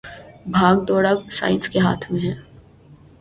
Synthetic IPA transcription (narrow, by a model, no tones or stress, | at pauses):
bʱaːɡ̚d̪ɔːɽasa̰ːɪ̃nskeɦa̰ːt̪ʰmẽɦɛː